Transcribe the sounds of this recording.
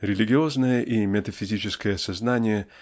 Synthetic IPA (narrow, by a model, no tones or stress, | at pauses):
ɾʲɪlʲɪɡʲɪo̞znəjəʔimʲɪt̪əfʲɪzʲit͡ɕɪskəjəɐsɐznanʲɪjə